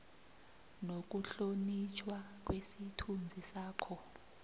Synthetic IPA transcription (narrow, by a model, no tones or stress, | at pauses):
nok̬uɬonit͡ʃʰwak̬ʼwesitʰund͡zʱisaːkʰɔ